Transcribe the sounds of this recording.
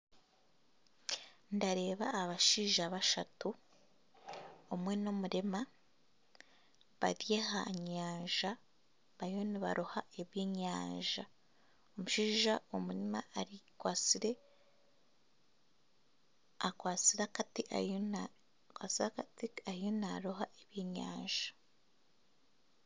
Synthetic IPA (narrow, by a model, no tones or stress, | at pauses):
ndaɾe̞ːβaːβaʃiːʒaβaʃatu | mwe̞no̞muɾema | βa̰dje̞ha̰ɲaːɲʒa | βajo̞niβa̰ɾuhae̞βjeːɲaːɲʒa | omuʃiːʒaomuɾima̰aɾikwat͡siɾe̞ | akwaːt͡siɾakatiʔa̰n | kwaːt͡siɾakatiajonaɾoɦaʔeβjeɲa̰ːɲʒḁ